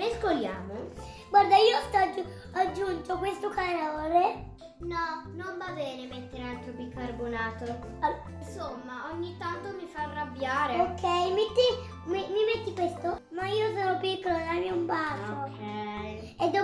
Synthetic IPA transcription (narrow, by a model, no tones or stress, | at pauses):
meskolja̰ːmo | ɡward̪aiːost̪ɔd͡ʒ | ad͡ʒːunt̪okwest̪okanoːle | nɔnoɱvabɛːnemet̪ːeɾealt̪ɾobikːarbonaːt̪o | nsomːaoɲːit̪ːant̪omifaːrːabjaːɾeokʰːɛjmet̪ːi | mimimet̪ːikwest̪omaiːos̬oːnopikːolonajmiumbasokʰɛj | ed̪ːo